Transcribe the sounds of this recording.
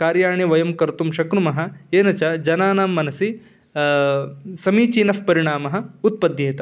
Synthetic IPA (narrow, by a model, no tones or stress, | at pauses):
kaːɾjaːɳiʋɐjɐmkɐɾt̪umʃɐkɾumɐɦɐ̆eːnɐt͡ʃɐd͡ʒɐnaːnaːmːɐnɐsi | sɐmiːt͡ʃiːnɐfpɐɾiɳ̃aːmɐɦɐ̆ut̪̚pɐd̪jeːt̪ɐ